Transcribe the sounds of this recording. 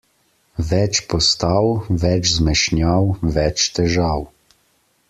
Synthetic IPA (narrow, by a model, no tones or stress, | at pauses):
ʋɛt͡ʃpɔst̪awʋɛt͡ʃzmɛʃnjawʋɛt͡ʃt̪ɛʒaːw